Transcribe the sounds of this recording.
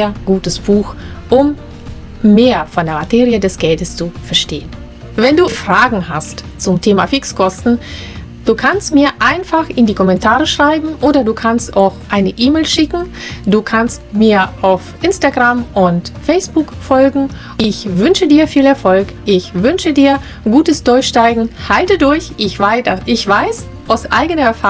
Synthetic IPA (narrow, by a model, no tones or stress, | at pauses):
ɐɡ̥uːtəsb̥uːxʔʊmː | eːɐfɔndeːɐmatʰeːʁiədɛsɡ̥ɛltəst͡sufɛɐʃteːən | vɛnduːfʁ̥aːɡŋ̩hast | t͡sʊmtʰeːma̰fɪkskʰɔstn̩ | d̥uːkʰanstmiːɐʔaɪnfaχɪndiːkʰɔmɛntʰaːʁəʃʁ̥aɪbm̩ʔoːdɐduːkʰanstaʊxʔaɪnəʔiːmeːlʃɪkŋ̩duːkʰanstmiːɐʔaʊfʔɪnstaɡʁamʔʊntfɛɪsb̥ʊkfɔlɡŋ̩ | ɪçvʏnʃədiːɐfiːlɛɐfɔlkʔɪçvʏnʃədiːɐ | ɡuːtəsd̥ʊɐçʃtaɪɡŋ̩haltədʊɐçʔɪçv̥aɪtɐʔɪçv̥aɪs | ʔaʊsʔa̰ɪɡənɐɛɐfa